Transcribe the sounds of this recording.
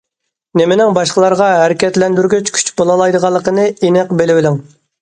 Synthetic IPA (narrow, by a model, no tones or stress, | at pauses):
nemɪnɪŋbɑʃqəlˠɑɾʁɑɦæɾɪkʲɛt̪lɛnd̪yɾɡʲyt͡ʃkʲʰy̥t͡ʃbolˠɑlˠɑjd̪əʁɑlˠːəqənɨenɛqbelɪwɪlɪŋ